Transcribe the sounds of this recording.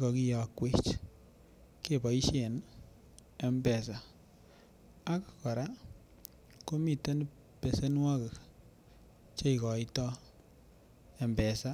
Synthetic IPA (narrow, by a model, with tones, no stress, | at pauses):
kɔ˨ki˦jɔ˨kwe˦t͡ʃ | ke˨bɔ˨i˦ʃe˨n | ɛ˨mbɛ˨sa˨ | a˦kkɔ˨ɾa˦ | ko˦mi˨te˦n˦ | pe˨se˦nwa˦ke˨k | t͡ʃe˦i˨kɔ˨i˦tɔ˦ | e˨mbɛ˨sa˦